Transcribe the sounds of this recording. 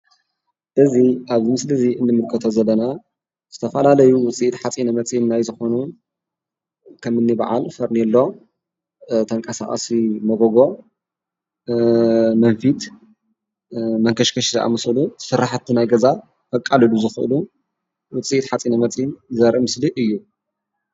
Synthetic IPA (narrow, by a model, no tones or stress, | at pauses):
ʔɨziʔaβɨmɨslɨziɨnːɨmɨlkʰɐt̪ʰozɐlːɐna | z̥ɨt̪ʰɐfɐlalɐjuwʊt͡sʼiʔt̪ħat͡sʼinɐmɐt͡sʼjinnajzɨxo̞nu | kʰɐmɨnːiba̰ʕa̰lfɐɾnilːo̞ | t̪ʰɐŋkʼʰɐsa̰χʼɐ̰simɐɡoɡo̞ | mɐnfit̪ | mɐŋkʰɐʃkʰɐʃizɐʔa̰mɨsɐlusɨɾːaħɨt̪ʰːinajɡɐza | fɐkʼːalɨluzɨxɨʔɨ̰lu | wʊt͡sʼiʔt̪ħat͡sʼinɐmɐt͡sʼinzɐɾʔɨmɨsliʔɨjːu